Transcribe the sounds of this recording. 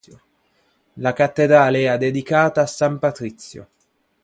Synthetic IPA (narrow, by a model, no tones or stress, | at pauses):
jo | lakat̪ːed̪ɾaːleɛad̪ed̪ikaːt̪aːsːampat̪ɾit̪sːjo̰